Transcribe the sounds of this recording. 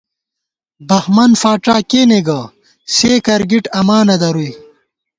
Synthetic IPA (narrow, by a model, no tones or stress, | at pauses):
bɐxmɐnfaːʈ͡ʂaːkeːneɡɐ | seːkɐɾɡiʈɐmaːnɐd̪ɐɾuj